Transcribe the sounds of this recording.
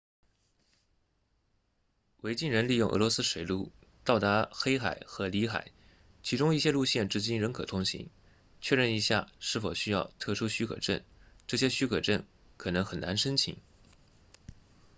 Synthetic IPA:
we˧˥ɪt͡ɕi˥˩nɻə˧˥nli˥˧jʊ˥˩ŋɤ̰˧˥lwɔ˧˥sɹ̩˥ʂwe˨˩ɪlu˥˩t̪ɑ˥˩ʊt̪a˧˥xe˥ɪxa˨˩˦ɪxɤ˧˥li˧˥xa̰˨˩ɪ | t͡ɕʰi˧˥ʈ͡ʂʊ˥ŋi˥˩ɕjɛ˥lu˥˧ɕjɛ˥˩nʈ͡ʂɻ̩˥˧t͡ɕi˥nɻə˧˥nkʰɤ˨˩t̪ʰʊ˥ŋɕḭ˧˥ŋ | t͡ɕʰɥɛ˥˧ɻə˥˩ni˧˥ɕja̰˥˩ʂɻ̩˥˩fo˨˩ʊɕy˥jɑ˥˧ʊt̪ʰɤ˥˩ʂʰu˥ɕy˥kʰɤ̰˨˩ʈ͡ʂə̰˥˩nʈ͡ʂɤ˥˩ɕjɛ˥ɕy˥kʰɤ˨˩ʈ͡ʂə˥˩n | kʰɤ˨˩nɤ˧˥ŋxə˨˩na˧˥nʂə˥nt͡ɕʰḭ˨˩ŋ

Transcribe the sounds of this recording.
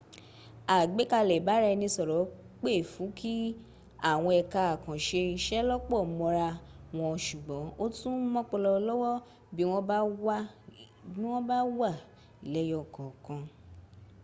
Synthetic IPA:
a˨ɡ͡be˨˦ka˧lɛ˨ba˨˦ɾa˧nĩ˧sɔ˨ɾɔ˨˦ | k͡pe˦˨fũ˨˦kʰi˦ | a˦˨w̃ɔ̃˧ɛ˧ka˧a˨kã˨ʃe˧ʃɛ˦lɔ˦k͡pɔ˦˨mɔ̃˧ɾa˧w̃ɔ̃˧ʃu˨ɡ͡bɔ̃˨˦o˦tũ˦mɔ̃˦k͡pɔ˧lɔ˧lɔ˦wɔ˦ | bi˨˦w̃ɔ̃˦ba˦wa˦ | bĩ˦w̃ɔ̃˦ba˦wa˦˨ | i˨lɛ˨˦jɔ˦˨kɔ̃˨kã˧

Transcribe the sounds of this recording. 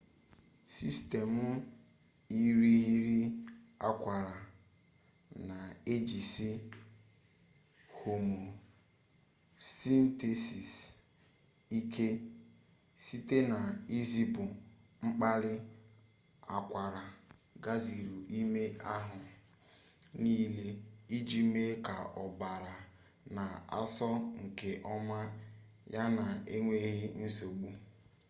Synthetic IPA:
si˦ste˨mʊ˦ | i˦ɾi˦ɦi˦ɾi˦a̰˦kʷa˨ɾa˨ | na˨e˦d͡ʒi˨si˦ | ho˨mu˨ | sti˦n̩˦te˨si˨s | i˦kʰe˦ | si˦te˦na˨i˦zi˦pʊ˨ | ŋ͡m̩˦k͡pa˦ɾɪ˦ | a˨kʷa˨ɾa˨ɡa˦zi˨ɾu˨ʔi˦me˦a˦ɦʊ˨ | niː˦le˦i˦d͡ʒi˦me˦ka˨ʔɔ˨ba˨ɾa˨ | na˨a̰˦sɔ˦ŋ̩˨ke˨ʔɔ˦ma˦ | ja˦na˨e˦ŋʷe˦ɣɪ˦n̩˦so˨ɡ͡bu˦

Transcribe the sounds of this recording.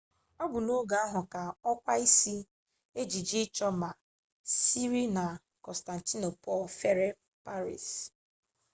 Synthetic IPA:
ɔ˦bʊ˨no˦ɡa˨a˦ɦʊ˨ka˨ɔ˦kʷa˦i˦si˦ | e˦d͡ʒi˨d͡ʒi˦t͡ʃɔ˦ma˨ | si˦ɾi˦na˨ | kɔ˨sta˨n̩˨ti˦no˨pɔ˦˨lfe˦ɾe˦ | pa˦ɾḭ˨s

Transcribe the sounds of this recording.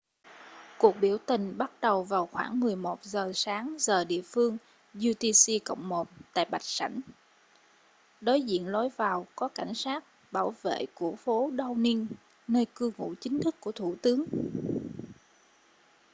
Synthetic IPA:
ku˨˩ək̚ɓi˧˩əwt̪ï˨˩ŋ̟ɓa˦˥t̚ɗə˨˩wvaː˨˩wxwaː˧˩ŋmɨ˨˩əjmo˨˩t̚zəː˨˩saː˨˦ŋzəː˨˩ɗḭ˧˨əfɨ˧əŋ | zu˧t̪i˧si˧kə̰˧˨wŋ͡mmo˨˩t̚t̪a̰ː˧˨jɓa˨˩jk̟̚sa̰˧˩jŋ̟ | ɗo˨˦jzḭ˧˨ənlo˨˦jvaː˨˩wkɔ˨˦ka˧˩jŋ̟saː˦˥t̚ | ɓaː˧˩wvḛ˧˨ku˧˩əfo˨˦ɗə˧wni˧n | nəː˧jkɨ˧wŋṵ˧˥t͡ɕï˨˦ŋ̟t̪ʰɨ˦˥kːu˧˩ət̪ʰu˧˩t̪ɨ˨˦əŋ

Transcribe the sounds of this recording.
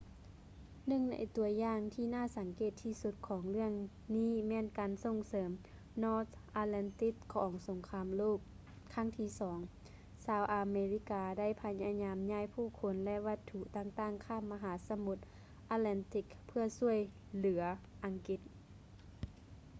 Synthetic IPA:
nɯ˧˨ŋna̰˨˦jt̪u˨˩˦ɐjaː˧˨ŋt̪ʰiː˧naː˥˩˨sa˨˦ŋkeː˧˩t̪ʰːiː˧˩su˧˦t̪̚kʰɔː˩˦ŋlɯ˥˩əŋ | niː˧˥˨mɛː˧˥˨nkaː˨nso˧˩ŋsɤː˨˦m | nɔː˧˥t̪ʔaː˧lɛ˧˥nt̪i˧˥kkʰːɔː˨˦ŋso˨˩˦ŋkʰaː˧mloː˥˩k̚ | kʰːa˧˥˩ŋt̪ʰiː˧˩˨sɔː˩˦ŋ | saː˧˩wʔa˨˧meː˧li˧˥kaː˨˧da˥˨jpʰa˧ɲa˧ɲaː˨˧mɲaː˧˥˨jpʰuː˧˥˩kʰo˧˦nlɛ˧˥ʔʋa˧t̪ʰːu˧ʔt̪aː˧˩ŋt̪aː˧˥˩ŋkʰaː˧˥˩mːa˧ɦaː˨˦sa˧mu˧˥t̪̚ | ʔaː˧˥t̪lɛ˧˥nt̪i˧˥k̚pʰɯ˧ɐsu˧˩əj | lɯ˨˩˦ɐ | ʔa˨ŋki˧˥t̪̚

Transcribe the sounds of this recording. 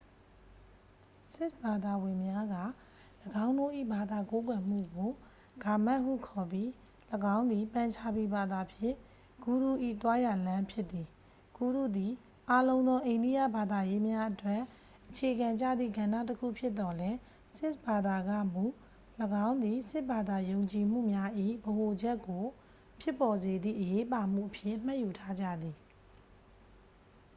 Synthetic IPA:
sɪ˦sba˨d̪a˨wɪ̃˨mja˦ɡä̰˦˨ | ləɡã˦ʊ̃ndo˦˨ʔḭ˦˨ba˨d̪a˨ko˦k̬wɛ˨m̥ṵ˦˨ɡo˨ | ɡ̥a˨ma˦ʔhṵ˦˨kʰɔ˨pji˦ | ləɡã˦ʊ̃nd̪i˨pã˨ɲt͡ɕʰa˦˨bi˨ba˨d̪a˨pʰjɪ̰̃˦˨ | ɡ̥u˨ɾu˦˨ʔḭ˦˨t̪wa˦ja˨lã˦mpʰjɪ˦t̪ːi˨ | ɡ̥u˦˨ɾṵ˦˨d̪i˨ | ʔa˦lõ˦ʊ̃nd̪ɔ˦ʔẽ˨ɪ̃ndi˦˨ja̰˦˨ba˨d̪a˨je˦mja˦ʔətwɛ˦˨ | ʔət͡ɕʰe˨ɡã˨ɲd͡ʑa̰˦˨d̪ðḭ˦˨ɡã˨nda̰˦˨təkʰṵ˦˨pʰjɪ˦t̪ːɔ˨lɛ˦ | sɪ˦ʔba˨d̪a˨ɡa̰˦˨mu˦˨ | ləɡã˦ʊ̃nd̪i˨sɪ˦ʔba˨d̪a˨jõ˨ʊ̃ɲt͡ɕi˨m̥ṵ˦˨mja˦ʔḭ˦˨bəɦo˨d͡ʑɛ˦kːo˨ | pʰjɪ˦pːɔ˨ze˨d̪ðḭ˦˨ʔəje˦ʔpa˨m̥ṵ˦˨ʔəpʰjɪ̰̃˦˨m̥ã˦ʔju˨tʰa˦d͡ʑä̰˦˨d̪i˨

